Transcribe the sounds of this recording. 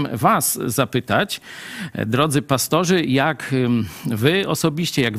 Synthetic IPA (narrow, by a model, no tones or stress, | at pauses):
mvaszapɘt̪at͡ɕ | d̪ɾɔd̪zɘpast̪ɔʐɘjak | vɘɔsɔbʲiɕt͡ɕɛjaɡ